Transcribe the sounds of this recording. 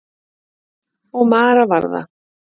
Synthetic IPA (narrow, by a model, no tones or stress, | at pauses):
ɔɣmaːɾavaɾða̰